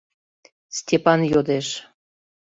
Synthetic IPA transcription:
stʲepɑnjod̪eʃ

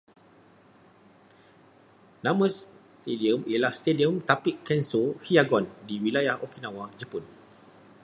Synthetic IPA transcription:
nãmə̃s | t̪ediəmijəlahst̪ediəmt̪apikːɛnsohiaɡɔndiwilajahokinãwad͡ʒəpun

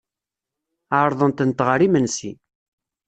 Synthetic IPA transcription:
aɾˤðˤənt̪ənt̪ʁəɾimənsḭ

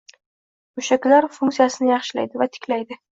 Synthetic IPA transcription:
mʊʃakʲlaɾfʊŋk̪sijasɪnɪjɑχʃɪla̰jd̪ɪvat̪ʰɪ̥kʲʰlajd̪ɪ

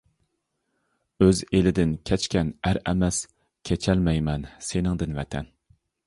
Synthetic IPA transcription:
øzelɪd̪ɪnkʲʰɛt͡ʃkʲɛnæɾɛmɛs | kʲʰet͡ʃʰɛlmɛjmɛnsenɪŋd̪ɨnvɛt̪ʰɛ̰n

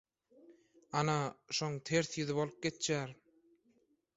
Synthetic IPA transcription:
ɑnɑʃoŋt̪ʰeɾθjyðɪβolˠp̚ɡet̪jæːɾ

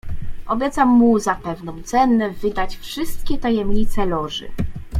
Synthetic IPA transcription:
ɔbʲjɛt̪samːuzapɛvnɔ̃w̃t̪sɛnːɛvɘd̪at͡ɕfʂɘst̪kʲɛt̪ajɛmɲit̪sɛlɔʐɘ̰

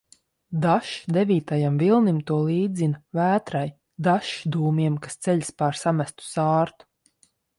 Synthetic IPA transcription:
d̪aʃd̪evʲiːt̪ajamvilˠnimt̪uɔlˠiːd̪zinvæːt̪ɾaj | d̪aʃd̪uːmiɛmkḁst̪sɛʎʲspaɾsamæst̪u̥saːɾt̪u̥

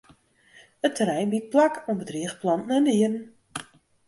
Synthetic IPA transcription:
ətʰəɾɛjnbit̚plakonbədriəxplɑntn̩əniərn̩

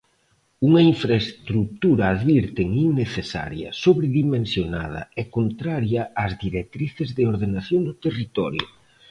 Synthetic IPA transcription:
uŋɐiɱfɾaest̪ɾuk̚t̪uɾɐːðβiɾt̪eŋiŋːeθesa̰ɾjɐ̰soβɾeðimẽnsjona̰ð̞ɐ̰ɛkont̪ɾaɾjɐazðiɾek̚t̪ɾiθɪzðɪoɾðenaθjoŋd̪ʊt̪erit̪ɔ̰ɾjʊ̰

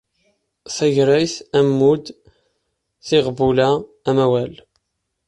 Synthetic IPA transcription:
θæʝɾæjθæmːud̪ | θiʁbulæː | mæwæl

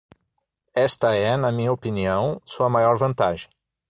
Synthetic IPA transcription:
ɛst̪ɐɛnɐmĩɲɐopiniɐ̃w̃suɐmajɔɾvɐ̃nt̪aʒẽ

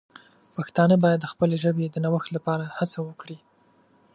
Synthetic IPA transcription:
paxt̪ɑnəbɑjad̪ːəxpəleʒəbed̪ənawəxt̪lapɑɾahat͡sawəkɽi

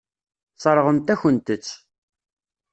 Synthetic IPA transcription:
t͡sˤɑɾˤəʁənt̪æçənt̪ət͡sː

